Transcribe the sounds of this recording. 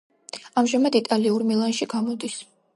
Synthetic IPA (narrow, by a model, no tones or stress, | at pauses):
amʒamad̪it̪ʼaliuɾmilˠanʃiɡamɔd̪is